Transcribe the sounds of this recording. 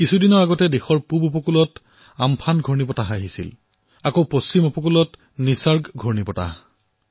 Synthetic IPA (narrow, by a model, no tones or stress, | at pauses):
kisʰudinɔɹaɡɔtɛdexɔɹpubupɔkulɔt | ampʰanɡʱɔɹnipɔtaɦaɦisḭl | akowposimɔpɔkulɔt | nisaɹɡɡʱɔɹnipɔta̰